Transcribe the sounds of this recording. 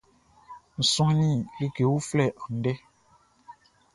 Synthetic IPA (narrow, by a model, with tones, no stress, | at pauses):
n̩˨sɔ̃˦nĩ˦˨li˦ɡe˨wu˦flɛ˦˨ʔã˨n̩˨dɛ˦